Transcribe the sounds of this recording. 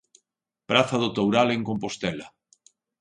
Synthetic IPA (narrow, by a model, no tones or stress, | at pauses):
pɾaθɐðot̪owɾaleŋkompost̪ɛla